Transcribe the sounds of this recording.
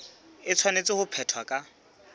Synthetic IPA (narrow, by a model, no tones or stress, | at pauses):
ɪt͡sʰwanet͡sʼɪhʊpʰɛtʰwakʼa